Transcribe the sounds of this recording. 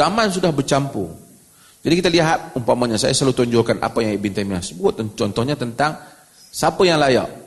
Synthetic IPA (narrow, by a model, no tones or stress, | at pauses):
amansudahbərt͡ʃampṵ | d͡ʒadikit̪aliɦat̪̚umpamaɲasa̰jaslalut̪ɔɲd͡ʒɔkanʔa̰pajaŋibint̪amiasəbuʊt̪̚t͡ʃɔnt̪ɔhɲat̪ənt̪aŋ | sapəjaŋlaja̰ʔ